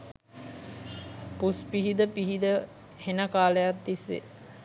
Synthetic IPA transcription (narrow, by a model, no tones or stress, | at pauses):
puspiɦid̪əpiɦid̪ə | henəkaːləjat̪̚d̪isːḛ